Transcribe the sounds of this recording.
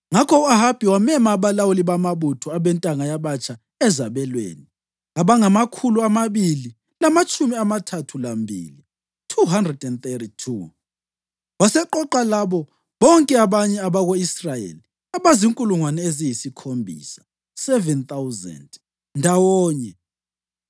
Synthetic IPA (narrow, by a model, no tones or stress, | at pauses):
ŋakʰɔuaɦab̥ʱiwamɛmaːβalawuliβamaβutʰɔaβɛntʼaŋajaβat͡ʃʼʰa | ɛzaβɛlwḛːni | aβaŋamakʰuluamaβili | lamat͡ʃʼumiamatʰatʰulambʱḭːli | tʰuɦandrɛdɛnt̪eɾitʰu | βasɛǃɔǃalaβɔ | βɔŋkʼɛaβaɲɛaβaɣoisrajḛːli | aβaziŋkʼuluŋwanɛezijisikʰombʱḭːsḁ | sɛvɛnt̪awzɛ̰nd | ndʱawɔːɲɛ